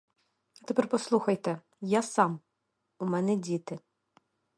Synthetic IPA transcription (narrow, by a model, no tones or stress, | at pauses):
ɐt̪ɛpɛrpɔslˠuxɐjt̪ɛ | jasɑm | umɛnɛdʲit̪ɪ